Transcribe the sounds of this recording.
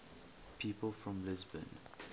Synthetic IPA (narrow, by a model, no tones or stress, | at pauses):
pʰiːpəlˠfɹɔ̃mlɪzbə̰̃n